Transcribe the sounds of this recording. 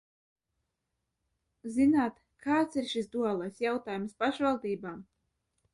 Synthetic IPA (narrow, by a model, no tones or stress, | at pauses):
zinaːt̪ | kʰaːt̪siɾʃisd̪uɔlˠajsjawt̪aːjumspaʃvalˠd̪iːbaːm